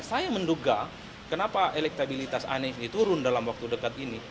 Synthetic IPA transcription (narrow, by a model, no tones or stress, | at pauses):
sajamənduɡa | kənapaʔelɛk̚t̪abilit̪asa̰nɛfnit̪uɾʊndalamwak̚t̪udəkat̪ini